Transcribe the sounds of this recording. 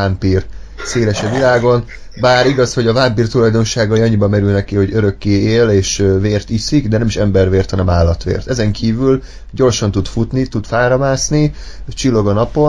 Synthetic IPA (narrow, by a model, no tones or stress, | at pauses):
ampir | seːlɛʃɛvilaːɡo̞n | baːɾiɡɒsho̞ɟɒvampiːrt̪ulɒjd̪o̞nʃaːɡɒjɒɲːibɒmɛɾylnɛkiho̞ɟøɾø̞kːeːeːleːʃveːrt̪isiɡd̪ɛnɛmiʃɛmbɛrʋeːrt̪hɒnɛmaːlːɒt̪ʋḛːrt̪ɛzɛŋkʰiːvyl | ɟo̞rʃɒnt̪ut̪fut̪nit̪ud̪faːɾɒmaːsni | t͡ʃilːo̞ɡɒnɒpo̞